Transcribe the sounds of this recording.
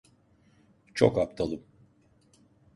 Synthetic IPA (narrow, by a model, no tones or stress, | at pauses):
t͡ʃʰokap̚t̪ʰalˠɯm